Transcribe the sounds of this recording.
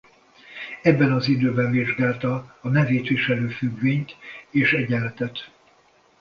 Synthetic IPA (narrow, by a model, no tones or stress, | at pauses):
ɛbːɛnɒzid̪øːbɛɱviʒɡaːlt̪ɒːnɛveːt̪ʋiʃɛløːfyɡveːɲt̪eːʃɛɟɛlɛt̪ɛt̪